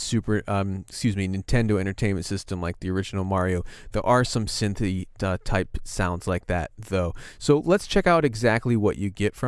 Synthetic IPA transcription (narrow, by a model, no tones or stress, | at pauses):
sʉpə˞ʔʌ̃mskjʉzminɨ̃ntʰɛ̃ndoʊɛ̃ɾ̃ə˞tʰẽɪ̃nmɨ̃ntsɪstɨ̃mlaɪk̚ðiə˞ɪd͡ʒn̩l̩ˠmɑɹioʊðə˞ʔə˞sʌ̃msɪ̃nθiʌtʰaɪpsãʊ̃ndz̥laɪk̚ðæ̰t̪̚ðoʊsoʊlətst͡ʃʰɛkaʊɾɨɡzæk̚tˡliwʌt͡ʃɨɡɛtfɹʌ̃